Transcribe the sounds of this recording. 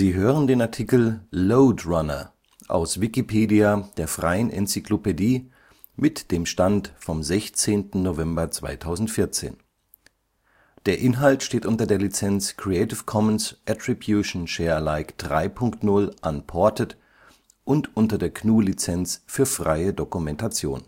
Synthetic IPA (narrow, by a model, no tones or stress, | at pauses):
ziːɦøːʁ̞əndeːnaɐtʰikl̩loʊdʁanɐ̰ | ʔa̰ʊsv̥ikipʰeːdiad̥eːɐfʁ̥aɪənʔɛ̰nt͡siklopediː | mɪtd̥eːmʃtantfɔmzɛçt͡seːntn̩novɛmbɐt͡sv̥a̰ɪtʰaʊzn̩tfɪɐt͡sḛːn | d̥eːɐʔɪnɦaltʃteːtʔʊntɐdeːɐlit͡sɛnt͡skʁ̥iɛɪtɪfkʰɔmənsʔɛtʁ̥ibjuʃn̩ʃɛːɐlaɪkd̥ʁa̰ɪpʰʊŋktnʊlʔanpʰɔɐtət | ʔʊntʔʊntɐdeːɐkʰnuːlit͡sɛnt͡sfyːɐfʁ̥a̰ɪədokumɛntat͡sjo̰ːn